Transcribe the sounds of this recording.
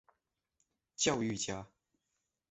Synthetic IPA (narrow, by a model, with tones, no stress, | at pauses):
t͡ɕjɑ˥˧ʊy˥˩t͡ɕja˥